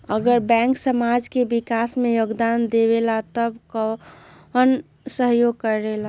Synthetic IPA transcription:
əɡəɾbɛ̃ːŋksəmad͡ʒkebɪkasmẽjoɡd̪aːnd̪ebelat̪əbko | ən | səɦjoɡ̚kəɾːela

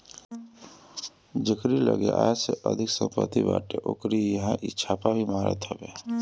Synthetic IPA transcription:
d͡ʒɪkɾiləɡeʔajseʔəd̪ʱɪksə̃mpət̪iba̰ːʈeʔokɾijəɦãʔɪːt͡ʃʰapabʱimaːɾə̰t̪ɦɛbeː

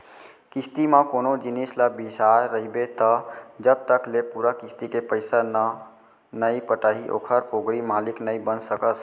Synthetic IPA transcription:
kist̪imãkonod͡ʒinisləbisaːəɦibet̪ɔd͡ʒəb̚t̪əklepuɾəkist̪ikepəɪsan | nəjpəʈəɦiʔo̰kʰəɾpoɡɾimaliknəjbənsəkəs

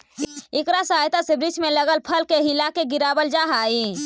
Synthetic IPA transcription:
ekɾasəɦajt̪asebɾit͡ʃʰmeləɡəlpʰəlkeɦilakeɡiɾabəld͡ʒaɦai

